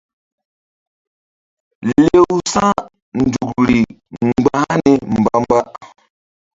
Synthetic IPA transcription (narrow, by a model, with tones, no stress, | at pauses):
le˦wsa˦ | n̩˨du˨kɾi˨ŋ͡mɡ͡bã˦ne˨m̩˨ba˦m˦ba˦ʔ